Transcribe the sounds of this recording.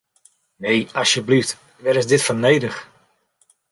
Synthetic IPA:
nejɑsjəblift | ʋɛɾɪsdɪtfɔnejdəx

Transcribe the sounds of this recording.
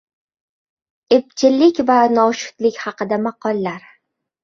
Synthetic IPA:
ep̚t͡ʃʰɪlːɪkʲvanɒʃʊ̥t̪lɪkʲhɑqɨd̪amɑqʰɒlːaɾ

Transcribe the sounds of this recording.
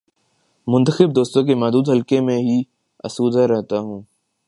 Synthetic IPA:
mʊ̃nt̪əxɪb̚d̪oːst̪õkemaːd̪uːd̪ɦəlkemẽɦi | ɐ̰suːd̪ʱaɾɛɦt̪aɦũː

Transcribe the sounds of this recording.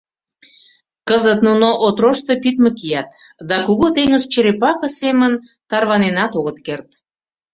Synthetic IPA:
kəzət̪nunoʔot̪roʃt̪opit̪mə̆kijɑt̪ | d̪ɑkuɣot̪eŋəzt͡ɕəɾepɑkə̆semən | t̪ɑrβɑnenɑt̪oɣət̪kert̪̚

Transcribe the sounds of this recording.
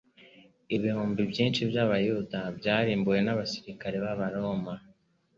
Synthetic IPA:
iβihuːmbibjiːnʃibjaβajudabjaːɾiːmbuje̞naβasiɾikaɾe̞βaβaɾo̞ma

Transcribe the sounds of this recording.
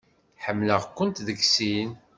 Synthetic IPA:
ħəmːləʁkʷːʊnt̪ðəɡsin

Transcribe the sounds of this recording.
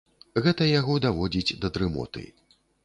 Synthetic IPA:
ɣɛt̪ɐjaɣɔd̪avɔd͡zʲid͡zʲd̪ɐd̪ɾɨmɔ̰t̪ɨ̰

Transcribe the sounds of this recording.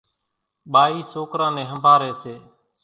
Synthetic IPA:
ɓaːiːsoːkɾãːnẽːɦəmbʱaːɾeːseː

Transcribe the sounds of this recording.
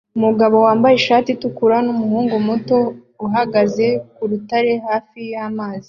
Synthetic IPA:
umuɡaβo̞waːmbajeʃaːtitukuɾanumuhuːŋɡomuto̞ | uɦaɡaze̞kuɾutaɾe̞haːfijamaːzi̥

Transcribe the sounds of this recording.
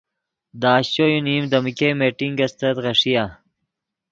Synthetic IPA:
d̪aːɕɕojunimd̪ɐmkemeːʈiŋɡɐst̪ɐt̪ʁɐʂija

